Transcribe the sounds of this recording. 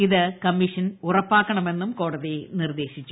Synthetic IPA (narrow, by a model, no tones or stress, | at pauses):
iðɨkɐmːiʂɐnurɐpːaːkːɐɳɐme̞nːumko̞ːɽɐðinird̪e̞ːɕit͡ɕːu̥